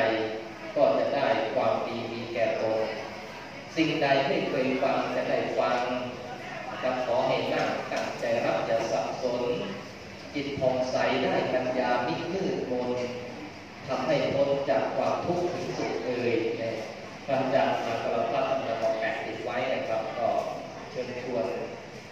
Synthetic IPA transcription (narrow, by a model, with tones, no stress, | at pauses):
a˧j | kɔː˥˩t͡ɕa˨˩daː˥˩jkʰwaː˧mdiː˧miː˧kɛː˨˩k̪o˧n | si˨˩ŋda˧jt̪ʰiː˥˩pʰeː˧nkʰwa˧mt͡ɕa˨˩daː˥˩jfa˧ŋ | na˧˩kʰa˧˥p̚kʰɔː˩˦ɦa˨˩maː˥˩kt̪a˧˩ŋ̚t͡ɕa˧˩ɾa˦˥p̚t͡ɕa˨˩sa˨˩p̚so˨˦n | ki˨˩t̪̚pʰo˨˩ŋsa˩˦jdaː˥˩jkʰa˧njaː˧mi˦˥t̪̚kɯː˥˩t̪̚mo˧n | t̪ʰa˧mɦa˥˩jpʰo˦˥nt͡ɕaː˨˩kʰːwaː˧mt̪ʰu˦˥k̚t̪ʰɯ˩˦ŋsu˨˩k̚lɤː˧jna˧˩j | kʰa˧mt͡ɕaː˨˩k̚saː˨˧˦sʰa˧la˨˧˩t̪̚ʰɾa˦˥t̪ʰːa˧naː˧kɔː˧˩ŋpɛː˨˩ŋt̪i˨˩t̪̚wa˦˥jna˧˩kʰɾa˦˥p̚kɔː˧˩ | t͡ɕʰɯ˧ənt͡ɕʰu˧ən